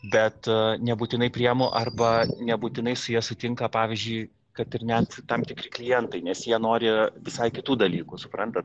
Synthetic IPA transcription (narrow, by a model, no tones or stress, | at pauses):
bʲɛt̪nʲɛbuːt̪ʲɪnɐɪpʲɾʲɪjɛmoʔɐrbɐnʲɛbuːt̪ʲɪnɐɪsʊjiɛsʊt̪ʲɪŋkɐpɑːʋʲɪzʲd͡ʒʲʊɪ | kɐt̪ɪɾnʲɛt̪t̪ɐmt̪ʲɪkɾʲɪklʲɪjɛnt̪ɐɪnʲɛsjiɛnoːɾʲɪʋʲɪsɐɪkʲɪt̪uːd̪ɐlʲiːkʊsʊpɾɐnt̪ɐt̪